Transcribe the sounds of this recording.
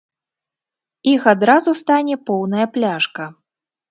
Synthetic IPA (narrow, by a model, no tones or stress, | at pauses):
ixad̪ɾazust̪anʲɛpɔwnɐjɐplʲaʂkɐ